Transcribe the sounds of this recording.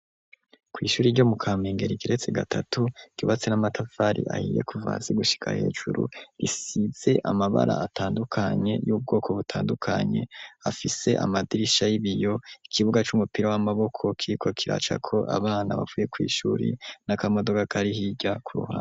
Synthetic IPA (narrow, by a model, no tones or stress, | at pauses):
kwiːʃuːɾiɾɟo̞mukʰaːmeːŋɡe̞ɾikiɾe̞t͡se̞ɡatʰatuɟ̥uβat͡se̞namatʰafaɾḭʔa̰hije̞̰kuva̰ːziɡuʃi̥kʰa̰he̞ːʒṵɾṵɾisiz̥e̞ʔamaβa̰ɾaatʰaːndukʰaɲe̞jub̚ɡo̞ːkʰo̞βutʰaːndukʰaɲe̞afise̞ʔa̰madiɾiʃajiβijo̞ikʰiβuɡat͡ʃumupiɾawamaβo̞kʰo̞kʰiɾikʰo̞kʰiɾa̰ːt͡ʃa̰kʰo̞ʔa̰βaːnaβa̰vuje̞kwḭːʃuːɾḭnakamodo̞ɡakaɾihiɟakuɾṵhaː